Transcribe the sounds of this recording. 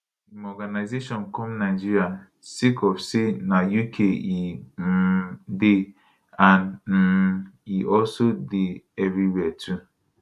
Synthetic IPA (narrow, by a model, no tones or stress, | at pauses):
imɔɡanaɪzeʃɔ̃nkɔmnaɪd͡ʒiɾja | sikɔfsenajukʰei | de | anm̩iɔlsodeɛvɾiwɛtʰu